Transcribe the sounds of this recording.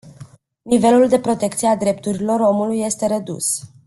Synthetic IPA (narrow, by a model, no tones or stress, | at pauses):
nive̞luld̪e̞pɾo̞t̪e̞kt̪siead̪ɾe̞p̚t̪uɾilo̞ɾo̞mulujːe̞st̪e̞ɾe̞d̪ṵs